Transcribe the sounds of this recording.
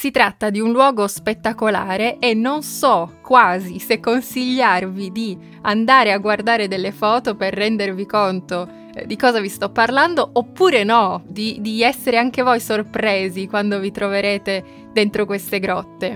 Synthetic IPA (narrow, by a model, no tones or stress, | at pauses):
sit̪ɾat̪ːad̪iunlwɔːɡospet̪ːakola̰ːɾeʔenːonsɔkːwaːzisekːonsiʎːarvid̪i | and̪aːɾeaɡːward̪aːɾed̪elːefɔːt̪operːɛnd̪ervikont̪o | d̪ikɔːzavist̪ɔpːarland̪oopːuːɾenɔd̪id̪iɛsːeɾeaŋk̟evojsorpɾeːzikwand̪ovit̪ɾoveɾeːt̪e | d̪ent̪ɾokwest̪eɡɾɔt̪ːe